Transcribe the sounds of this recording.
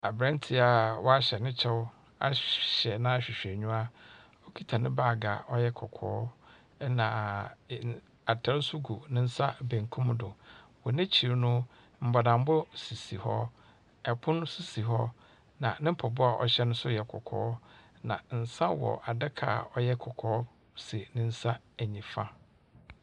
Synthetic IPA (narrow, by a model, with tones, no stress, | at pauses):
a˨bɾã˦n˦tʰi˨a˨wɔ˦a˦ɕɛ˨nɪ̃˦t͡ɕʰɛ˦w | a̰˦ɕɛ˨nã˦a˨ɕᶣɪ˨ɕᶣɛ˨ɲũ˦a˦ | ɔ˦kʰi˦tʰa˨nɪ̃˦baː˦˨ɡa̰˨ɔ˦jɛ˦kʰɔ˨kʰɔ̰ː˦ | nã˨ | a˨tʰa˨ɾsʊ˦ɡu˨nɪ̃˦n̩˦sa˦bẽ˨ŋ˨kʰũ˦mdʊ˨wɔ˨nɪ̃˦t͡ɕʰi˨ɾnʊ̃˦ | m̩˨ba˨dã˨m˦bʊ˦si˨si˨hɔ˦ | ɛ˨pʰʊ̃˦n˦si˦si˨ɦɔ˦ | nã˨nɪ̃˦m̩˦pʰɔ˨bʊ˦a˨ʔɔ̰˨ɕɛ˦nʊ̃˦sʊ˦jɛ˨kʰɔ̰˨kʰɔ̰ː˨˦ | nã̰˨n̩˨sã˦wɔ̰˨ʔa˨dɪ˦kʰa̰ː˨ɔ˦jɛ˦kʰɔ˨kʰɔː˨˦ | si˨nɪ̃˦n̩˦sa˦ | æ˨ɲĩ˨fã˦